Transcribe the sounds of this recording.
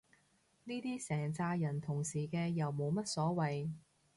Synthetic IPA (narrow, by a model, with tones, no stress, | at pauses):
niː˥t̪iː˥sɛː˨˩ŋt͡saː˧jɐ˨˩nt̪ʰʊ˨˩ŋsiː˨˩kɛː˧jɐ˨wmo˨˧wmɐ˥t̚sɔː˨˥wɐ˨j